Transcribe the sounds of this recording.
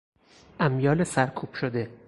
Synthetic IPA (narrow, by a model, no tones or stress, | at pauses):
ʔæmjɒːlesæɾkʰuːb̥ʃod̪e̞